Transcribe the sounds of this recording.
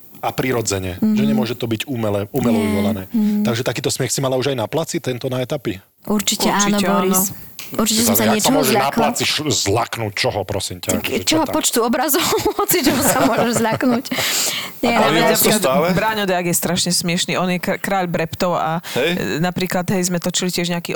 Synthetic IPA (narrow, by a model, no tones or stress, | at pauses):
apɾiɾɔd͡zɛɲɛʒɛɲɛmʊɔʒɛt̪ɔbiɟumɛlɛumɛlɔʋiʋɔlanɛːt̪aɡʒɛt̪akiːt̪ɔsmɪɛxsimalauʒajnaplat͡sit̪ɛnt̪ɔnaɛt̪api | ʔuɾt͡ʃicɛat͡ʃːinɔɛanuɾt͡ʃicɛssaɲɪɛt͡ʃɔɔʒɛʎanakplat͡siʃzla̰knuːc̚t͡ʃɔɦɔpɾɔsiːmcaakt͡ʃɔɦɔpɔt͡ʃt̪uɔbɾazɔhɔt͡sit͡ʃɛɦɔsamʊɔmʒɛʒzʎaknuc | ɲɛaɛaɾikst̪aːlɛbɾaːɲɔd̪ɛaɡjɛst̪ɾaʃɲɛsmɪɛʃniʔɔnjɛkkɾaːʎbɾɛpt̪ɔʊa̰jnapɾiːklad̪ɦɛjzmɛt̪ɔt͡ʃilicɪɛʒɲɛakiː